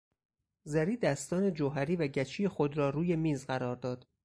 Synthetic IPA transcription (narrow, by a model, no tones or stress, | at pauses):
zæɾiːd̪æst̪ɒːne̞d͡ʒoɦæɾiːvæɟæt͡ʃʰiːjexod̪ɾɒːɾuːje̞miːzɢæɾɒːɾd̪ɒːd̪̥